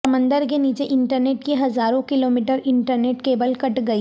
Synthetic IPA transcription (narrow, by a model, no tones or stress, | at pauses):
ɐmə̃nd̪əɾkeniːt͡ʃeʔɪ̃ɳʈəɾneːʈkiɦɐzaːɾõkɪloːmiːʈəɾɪ̃ɳʈəɾneːʈkeːbəlkɐʈɡɐi